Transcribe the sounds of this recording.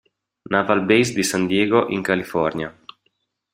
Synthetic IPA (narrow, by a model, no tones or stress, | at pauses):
navalbejsd̪isand̪jeːɡoʔiŋkalifɔɾnja